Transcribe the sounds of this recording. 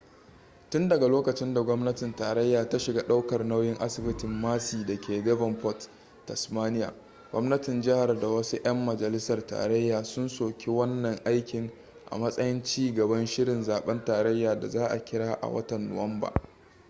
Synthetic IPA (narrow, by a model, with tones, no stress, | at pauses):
tʊ˦ndɐ˨ɡa˨loː˦kɐ˨t͡ʃɪ˦nda˨ɡʷɔ˦mnɐ˦tɪ˨ntaː˨ɾɐ˦jːaː˨ta˦ʃɪ˨ɡa˦ɗa˦wkɐ˨rna˦wjɪ˦ŋʔa˦sɪ˨bɪ˦tɪ˨mːaː˦siː˨dɐ˨kʲeː˨dɛ˦vɐ˨mpɔ˦t | tːɐ˨smaː˦nɪ˦ja̰ː˨ | ɡʷɔ˦mnɐ˦tɪ˨nd͡ʒɪ˦ha˨rda˨wɐ˦su˦ʔɐ˦mːɐ˨d͡ʒɐ˨lɪ˦sɐ˨rta̰ː˨ɾɐ˦jːaː˨sʊ˦nsoː˨kʲʰe˦wɐ˦nːɐ˨ŋʔa˦jkʲɪ˨ŋ | ʔa̰˨mɐ˦sʼɐ˦jɪ˦nt͡ʃiː˦ɡɐ˨bɐ˦nʃɪ˦ɽɪ˨nzaː˨ɓɛ˦ntaː˨ɾɐ˦jːaː˨da̰˨zaː˦ʔa̰˨kʲɪ˦ɽaː˦ʔa̰˨wɐ̰˦tɐ˨nːʊ̰˨wɐ˦mba̰ː˨